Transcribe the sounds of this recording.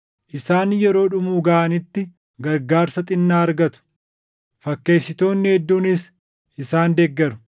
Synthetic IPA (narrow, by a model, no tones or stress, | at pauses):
ʔɪsaːnjɛɾo̞ːᶑʊmuːɡɐʔanɪt̪ːɪ | ɡɐɾɡaːɾsɐt̪ʼɪnːaːɐɾɡɐt̪ʊ̥ | fɐkːe̞ːsːɪt̪o̞ːnːɪhɛd̪ːuːnɪs | ʔɪsaːnd̪ɛɡːɛɾʊ̥